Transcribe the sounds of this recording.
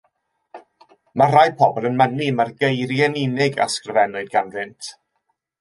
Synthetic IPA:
mar̥ajpʰɔbɔlˠənmɛnimarɡejɾjɛnɪnɪɡa̰skrəvɛnʊɨd̚ɡanvɪntʰ

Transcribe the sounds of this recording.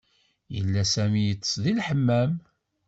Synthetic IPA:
jə̰lːæsæmijət͡sːsðilħəmːæm

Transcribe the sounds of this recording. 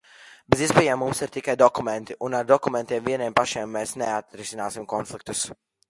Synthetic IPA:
beziɛspejamːumsiɾt̪ikajd̪ɔkumẽnt̪iʔunaɾd̪ɔkumɛnt̪iɛmviɛniɛmpaʃiɛmːeːsneat̪ɾisinaːsimkɔnflik̚t̪u̥s

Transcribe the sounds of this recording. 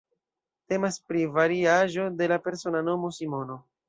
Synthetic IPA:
te̞maspɾivaɾiaʒo̞de̞lape̞ɾso̞nano̞mo̞simo̞no̞

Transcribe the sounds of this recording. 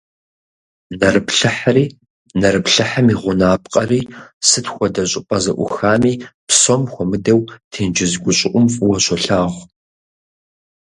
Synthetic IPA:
nɐrɨpɬɨħɾiː | nɐɾɨpɬɨħamiʁʷʊnaːpqʼɐriːsɨtxʷɔdɐɕʼɪpʼɐzɐʔʷʊ̰xaːmiːpsomxʷɔmɨdɐwtʰiːnd͡ʒɪzɡʷʊɕʼɪʔʷʼʊmfʼwɔɕʷɔɬaːʁʷ

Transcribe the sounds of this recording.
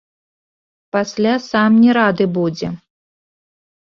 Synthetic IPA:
pasʲlʲasamnʲɛɾad̪ɨbud͡zʲɛ

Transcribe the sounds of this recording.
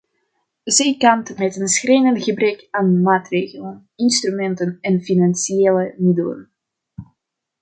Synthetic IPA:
zɛjkɑntmɛtənsxrejnəntɣəbrɛkaːnmaːtreːɣələn | ɪnstrymɛntənɛnfinansieːləmɪdələ̰n

